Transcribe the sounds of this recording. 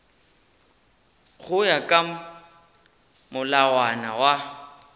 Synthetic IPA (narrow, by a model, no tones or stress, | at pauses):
ɣʊjakʼa | mʊlawanawa